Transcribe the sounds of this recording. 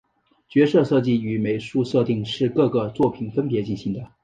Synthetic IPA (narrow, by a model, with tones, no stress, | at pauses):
t͡ɕɥɛ˧˥ʂɤ˥˧sɤ˥˧t͡ɕi˥˩y˧˥me˨˩ɪʂu˥˧sɤ˥˧t̪i˥˧ŋʂɻ̩˥˧kɤ˥˩ɡə˩t͡swɔ˥˩pʰi˧˩nfə˥npjɛ˧˥t͡ɕi˥˩nɕi˧˥ŋd̪ə˧